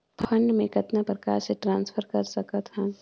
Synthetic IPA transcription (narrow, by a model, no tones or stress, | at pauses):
pʰə̃ɳɖmẽkɐt̪napɾɐkaːɾseʈɾãːnspʰəɾkɐɾsɐkət̪ɦɛ̃